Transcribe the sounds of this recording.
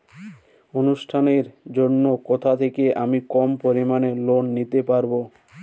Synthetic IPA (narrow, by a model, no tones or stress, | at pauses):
onuʃʈʰaneɾd͡ʑonːokɔt̪ʰat̪ʰekeʔamikɔmpoɾimanelonːit̪epaɾbo